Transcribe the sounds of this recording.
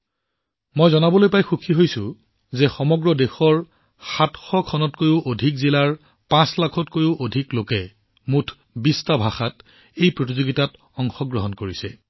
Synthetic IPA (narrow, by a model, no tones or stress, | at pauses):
mojzɔnabɔlojpajxukʰiɦojsʊ | zɛxɔmɔɡɹɔdexɔɹ | xatxɔkʰɔnɔtkojʊʔodʱikzilaɹ | pãslakʰɔtkojuʔodʱiklokɛ | mutʰ | bistabʱaxat | ejpɹot̬izoɡitat | ɔŋxɔɡɹɔɦɔnkoɹisɛ